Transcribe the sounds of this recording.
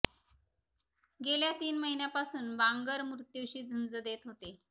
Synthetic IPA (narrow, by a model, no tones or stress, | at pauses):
ɡeljat̪iːnməɦinjapasuːnbãŋɡəɾmɾut̪juʋɕiːd͡zʱənd͡zəd̪et̪ɦot̪e